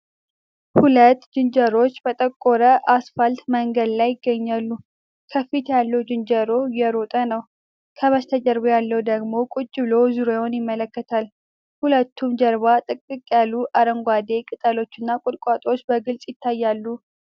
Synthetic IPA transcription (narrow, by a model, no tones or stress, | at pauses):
hulət̪ːd͡ʒɨnd͡ʒəɾo̞t͡ʃːbət̪ʼəkʼːoɾəʔasfəlt̪məŋɡəd̪lajːɪɡːəɲːalːu | kʰəfit̪ʰjalːəwd͡ʒɨnd͡ʒəɾo̞jɛɾot̪ʼənəw | kʰəβəst̪ʰəd͡ʒəɾbojalːəwud̪əɡmo̞kʼʊt͡ʃʼːɪlo̞zuɾewʊnjɪmːələkːət̪ʰal | hulət̪ːumd͡ʒəɾβat̪ʼɨkʼːɨkʼjalːuʔaɾəŋɡʷad̪e̞kʼɨt̪ʼalo̞t͡ʃːɨnːakʼʊd̪kʼat̪ʼo̞t͡ʃːbəɡɨlsʼjɪt̪ʰːajːalːu